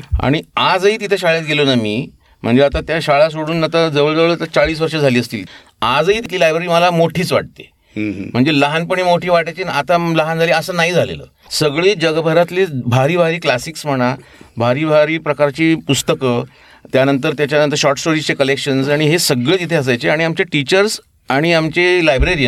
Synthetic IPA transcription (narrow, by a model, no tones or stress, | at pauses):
a̰ɽ̃iad͡zəɦiːt̪̬it̪ʰeɕaɭjat̪̚ɡelonamiː | m̤əɳd͡zeat̪at̪jaɕaɭas̬oɽuːnat̪ad͡zəʋəɭd͡zəʋəɭt̪ət͡saɭiːs̬ʋəɾʂəd͡zʱaliːəst̪iːl | ad͡zəɦit̪it̪ʰilajbɾəɾiːməlamoʈʰiːt͡sʋaʈ̚t̪e | m̤əɳd͡zeləɦanpəɳ̃imoʈʰiːʋaʈajt͡ɕinat̪aləɦand͡zʱaliːəsəːnaɦiːd͡zʱalḛlə̰ː | səɡɭiːd͡ʑəɡbʱəɾat̪libʱaɾiːbʱaɾiːklasiksm̤əɽ̃abʱaɾiːbʱaɾiːpɾəkaɾt͡ɕiːpust̪əkə | t̪janənt̪əɾt̪jat͡ɕjanənt̪əɾɕɔɾʈsʈoɾit͡sekəlekɕənsaɽ̃iɦesəɡɭet̪it̪ʰeəs̬ajt͡seaɽiamt͡ɕeʈit͡ɕəɾs | aɽ̃iamt͡ɕelajbɾeɾi